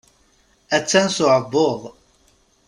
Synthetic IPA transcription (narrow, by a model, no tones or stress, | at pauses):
æt͡sːænsʊʕəbːoðˤ